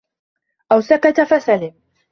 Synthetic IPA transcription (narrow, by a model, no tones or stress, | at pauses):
ʔawsakat̪afasalɪm